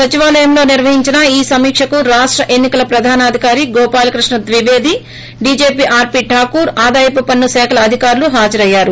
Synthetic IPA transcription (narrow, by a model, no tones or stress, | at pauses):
sɐt͡ʃiʋaːlɐjɐmlo̞ːniɾʋɐɦiɲt͡ʃinɐiːsɐmiːkʂɐkuɾaːʂʈɾɐʔe̞nːikɐlɐpɾɐd̪ʱaːnaːd̪ʱikaːɾiɡɔːpaːlɐkɾiʂɳɐd̪ʋiʋeːd̪i | ɖiːd͡ʒeːpiʔaːɾpiːʈʰaːkuːɾaːd̪aːjɐpɐpɐnːusɛːkʰɐlɐːd̪ʱikaːɾuluɦaːd͡ʒɐɾɐjːaːɾu